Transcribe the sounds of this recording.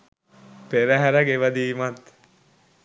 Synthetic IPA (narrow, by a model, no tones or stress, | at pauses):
peɾəɦæɾəɡeʋɐd̪iːmat̪